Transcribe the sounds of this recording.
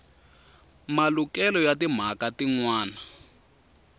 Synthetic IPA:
malukɛlɔjatim̤akatiŋwaːna

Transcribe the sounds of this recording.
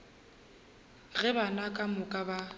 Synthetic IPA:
ɣɛbanakʼamʊkʼaba

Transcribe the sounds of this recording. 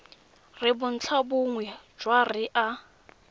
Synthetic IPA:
rɪbʊn̩t͡ɬʰabʊŋwɛ̥d͡ʒwarɪʔa

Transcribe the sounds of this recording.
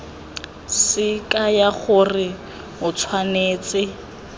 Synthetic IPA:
sɪkʼajaχʊrɪ | ɦʊt͡sʰwaneːt͡sʼɪ

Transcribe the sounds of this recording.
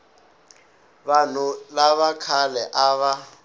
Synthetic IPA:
βan̤ʊlaβakʰalɛʔaβa

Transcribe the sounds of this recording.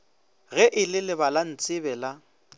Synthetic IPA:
ɣɛʔɪlɪlɪbalan̩t͡sʼɪbɛla

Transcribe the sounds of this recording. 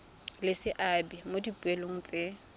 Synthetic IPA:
lɪsɪʔabimodipʼeloŋ̩t͡sʼe

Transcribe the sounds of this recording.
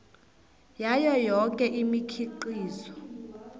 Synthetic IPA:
jajɔjɔkʼɛʔimikʰiǃiːzɔ

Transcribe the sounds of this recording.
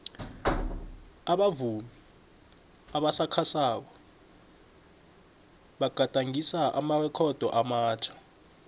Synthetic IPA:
aɓavumi | aɓasakʰasaːk̬ɔ | ɓaɡ̥ʱatʼaŋisaʔa̰mawɛkʰɔd̥ʱɔʔamaːt͡ʃʰḁ

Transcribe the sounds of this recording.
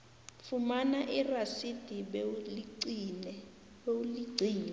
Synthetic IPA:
fumanaʔɪrasidʱibeliǀinɛ | beuliɡ͡ǀʱiːnɛ

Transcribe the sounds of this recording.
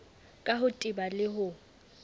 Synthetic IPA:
kʼaɦʊtʼibalɪɦʊ

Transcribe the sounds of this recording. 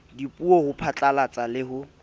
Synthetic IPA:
dipʼuɔhʊpʰat͡ɬʼalat͡sʼalɪɦʊ

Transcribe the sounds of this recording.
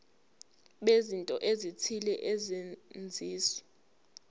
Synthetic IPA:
ɓezintʼɔʔezit͡sʰilɛʔezend͡zʱiːsɛ̥

